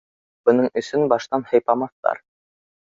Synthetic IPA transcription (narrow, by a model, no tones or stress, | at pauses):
b̥ɤ̆nɤɴɵ̆sɵnbɑʃt̪ɑnhɤ̆jpɑmɑθt̪ɑ̰ɾ